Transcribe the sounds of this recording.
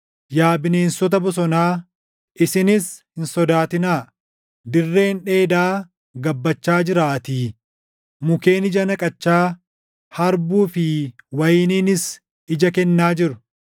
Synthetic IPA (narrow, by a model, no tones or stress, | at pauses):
jaːbɪne̞ːnsɔt̪̬ɐbɔs̬ɔnaː | ɪsɪnɪshɪnsɔd̪aːt̪ɪnaː | d̪ɪrːe̞ːnᶑe̞ːd̪aː | ɡɐbːɐt͡ʃːaːd͡ʒɪɾaːt̪iː | mʊke̞ːnɪd͡ʒɐnɐkʼɐt͡ʃːaː | hɐɾbuːfɪwɐjɪniːnɪs | ɪd͡ʒɐkɛnːaːd͡ʒɪɾʊ̥